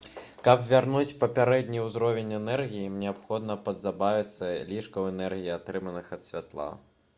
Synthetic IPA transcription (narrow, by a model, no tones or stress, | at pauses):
kɐpvʲarnut͡sʲpɐpʲaɾɛd̪ʲnʲiwzɾɔvʲenʲɛnɛrɣʲijimnʲɛapxɔd̪nɐpɐd̪zabavʲit̪sːɐlʲiʂkɐwɛnɛrɣʲijiat̪ɾɨmɐnɨxɐt̪sʲvʲat̪lˠa̰